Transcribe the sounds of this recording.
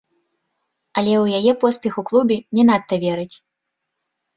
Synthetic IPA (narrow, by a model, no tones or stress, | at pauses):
ɐlʲɛwjajɛpɔspʲɛxuklˠubʲinʲɛnat̪ːɐvʲɛɾɨt͡sʲ